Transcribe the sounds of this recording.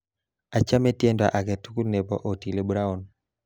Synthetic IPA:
a˨t͡ʃa˦me˦tje˦nda̰˨ʔa˨ɡɛ˨tu˦ku˦lne˨bɔ̰˨ʔo˨ti˨le˨bu˦ɾa˦ɔ˦n

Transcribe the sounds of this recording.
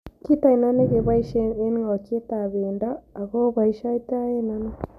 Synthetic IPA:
ki˦ta˦i˨na˦ne˦ɣe˨βa˦i˦ʃee˦n˦ŋa˨t͡ʃi˦e˦ta˨βe˨ndaː˦˨ɣo˦βa˨i˦ʃa˦i˦ta˦e˦na˦na˦

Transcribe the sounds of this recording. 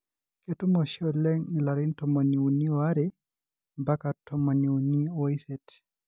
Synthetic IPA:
ke˨tu˦mo˨ʃɔ˦lɛ˦ŋi˨la˨ɾɪ˦ntɔ˨mo˨ni˨u˨ni˦ɔa˦ɾɛ | mba˦ka˨tʰɔ˨mɔ˨ni˨u˨ni˦o˨i˦sɛ˨t

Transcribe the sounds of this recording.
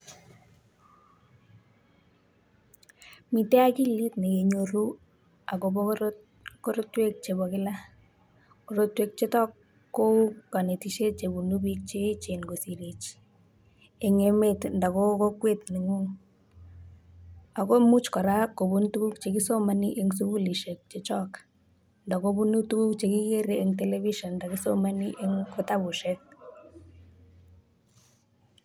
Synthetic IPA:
mi˨te˦a˦ki˦li˦tne˨ke˨ɲo˨ɾu˦ | a˨ko˨bo | ko˦ɾo˦twe˦k̚t͡ʃe˨bɔ˨kɪ˦la˦ | ko˨ɾo˦twe˨k̚t͡ʃe˦tɔ˦kː | o˦u˦ka˨ne˨ti˦ʃe˦t͡ʃe˨bu˨nu˦bik̚t͡ʃe˦t͡ʃe˨nɡo˨si˨ɾi˨t͡ʃ | e˨ŋe˨me˦tnda˨ko˦ko˦kwe˦tni˨ŋu˦ŋ | a˨ko˦mu˦t͡ʃkɔ˨ɾa˦ko˨bu˦ntu˦ku˦k̚t͡ʃe˨ki˦so˦ma˦ni˦ʔe˦ŋs̬u˦ɡu˦li˨ʃe˨k̚t͡ʃe˨t͡ʃɔ˦k | nda˨ko˦bu˦nu˦tu˦ku˦kt͡ʃe˨ki˦ke˦ɾee˦ŋtɛ˦lɛ˦βi˦ʃɔ˨nda˨ki˦so˦ma˦ni˦ʔe˦ŋko˦ta˦bu˨ʃe˦k̚

